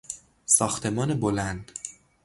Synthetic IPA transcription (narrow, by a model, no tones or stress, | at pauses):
sɒːxt̪ʰe̞mɒːnebolænd̪̥